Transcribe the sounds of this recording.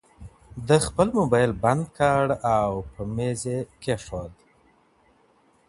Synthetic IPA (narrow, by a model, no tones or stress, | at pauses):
d̪əxpəlmʊbajlband̪̚kɑɽawpəmezekeʂod̪